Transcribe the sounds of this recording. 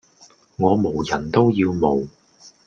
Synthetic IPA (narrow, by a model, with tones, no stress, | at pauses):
ŋɔː˨˧mo˨˩wjɐ˨˩nt̪o˥wjiː˧wmo˨˩w